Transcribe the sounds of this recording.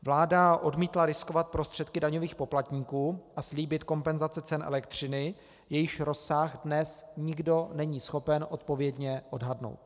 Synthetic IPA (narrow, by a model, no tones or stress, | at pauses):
vlaːdaʔo̞dmiːt̪laɾɪskovat̪̚pɾo̞st̪r̥ɛt̪kɪdaɲo̞viːxpo̞plat̪ɲiːkuːʔasliːbɪt̪ko̞mpɛnzat͡sɛt͡sɛnʔɛ̰lɛkt̪r̝̥ɪnɪ | jɛjɪʃɾo̞saɣdnɛsɲɪɡdo̞nɛɲiːsxo̞pɛnʔo̞t̪̚po̞vjɛdɲɛʔo̞dɦadno̰wt̪̚